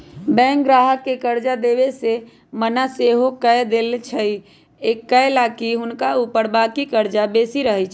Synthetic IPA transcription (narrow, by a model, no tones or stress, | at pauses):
bɛ̃ŋk̚ɡɾaɦəkːekəɾd͡ʒad̪ebese | mənaseɦokəed̪elt͡ʃʰəi | ekːəjlakiɦʊnkaupəɾbakikəɾd͡ʒabesiɾəɦɛt͡ʃʰ